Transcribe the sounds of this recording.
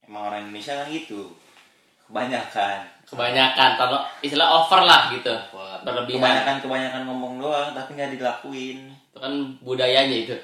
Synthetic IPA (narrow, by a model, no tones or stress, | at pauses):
emaŋoɾaŋindonesiakaŋit̪u | kəbaɲakankəbaɲakant̪anoist̪ilaɦofərlahɡit̪ubərləbiəmaɲakankəbaɲakankɔmbɔŋdoaŋt̪apiŋɡadilakuɪn | t̪ukanbudajaɲait̪u